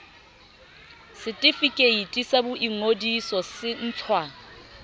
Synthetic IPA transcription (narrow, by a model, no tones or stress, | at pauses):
sɪtʼifikʼeitʼisabʊʔiŋodisɔsɪn̩ːt͡ɬʰwa